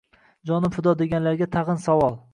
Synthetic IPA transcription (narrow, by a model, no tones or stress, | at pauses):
d͡ʒɒnɪmfʊd̪ɒd̪e̞ɡʲanlaɾɡʲat̪ʰɑʁɨnsawɒlˠ